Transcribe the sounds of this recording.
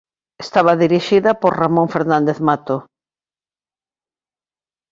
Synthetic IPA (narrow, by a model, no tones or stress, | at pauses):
est̪aβɐðiɾiʃiðɐpoɾramõɱfeɾnãnd̪eðmat̪o